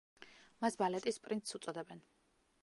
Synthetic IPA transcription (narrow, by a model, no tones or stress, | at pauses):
masbalɛt̪ʼispʼɾint̪sut̪sʼɔd̪ɛbɛn